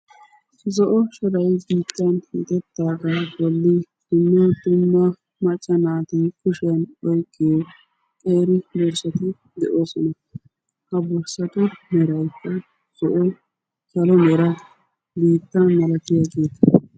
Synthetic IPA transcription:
zɔʔɔʃɔd̪ɐjbiːt̪ːɐnhḭːt̪ʼɛt̪ːaːɡabɔlːɪd̪̥ʊmːɐd̪ʊmːɐ | mɐt͡ʃʼːɐnaːt̪ɪkʊʃɐnɔjkːɪj | kʼeːɾɪbɔɾsɐt̪ɪ | d̪ɛʔo̞ːsɔnɐ | hɐbɔɾsɐt̪ʊmɛɾɐjpːɛ | z̥ɔʔɔ | ʃɐlɔmɛɾɐ | biːt̪ːɐnmɐlɐt̪ɪjaːɡeːt̪ɐ̥

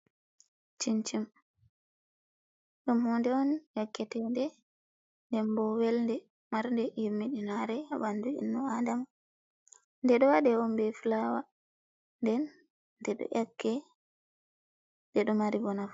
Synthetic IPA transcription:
t͡ʃint͡ʃim | ɗumhɔndɛɔnjɛkːɛtɛndɛ | ndɛmbɔwɛlndɛ | maɾndɛjomːiɗinaɾɛabanduḭnːuadama | ndɛɗɔwadɛwɔmbɛfulawa | ndɛnː | dɛɗɔ̰ʔɛkːɛ | dɛɗɔmaɾibɔnaf

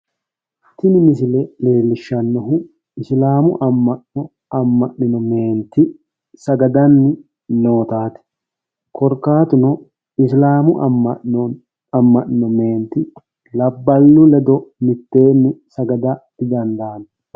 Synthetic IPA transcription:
t̪ɪnɪmɪsɪlɛle̞ːlːɪʃːɐnːɔɦʊ | ɪslaːmʊ̰ʔɐmːɐɔ | ɐmːɐʔɪnɔme̞ːnt̪ːɪ | sɐɡɐd̪ɐnːɪ | no̞ːt̪aːt̪ɪ̥ | kɔɾkaːt̪ʊnɔ | ɪslaːmʊʔɐmːɐɔ | ɐmːɐʔːɔme̞ːnt̪ːɪ | lɐbːɐlːʊlɛd̪ɔmɪt̪ːe̞ːnːɪsɐɡɐd̪ɐd̪̥ɪd̪ɐnd̪aːn

